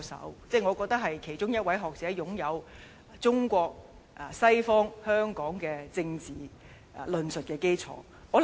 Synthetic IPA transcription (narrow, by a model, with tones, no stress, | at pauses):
sɐ̰˨˥wt͡sɛː˥˩ŋɔː˨˧kɔː˧k̚t̪ɐ˥k̚ɦɐ˨jkʰe˨˩jt͡ʃʊ˥ŋjɐ˥t̚wɐ˨˥jɦɔː˨k̚t͡sɛː˨˥jʊ˨˥ŋjɐ˨˧w | t͡sʊ˥ŋkʷɔː˧k̚ | ʔsɐ˥jfɔː˥ŋhœː˥ŋkɔː˨˥ŋkɛː˧t͡sɪ˧ŋt͡siː˨ | lɵ˨nsɵ˨t̚kɛː˧ke˥jt͡sʰɔ̰ː˨˥ | ŋɔː˨˧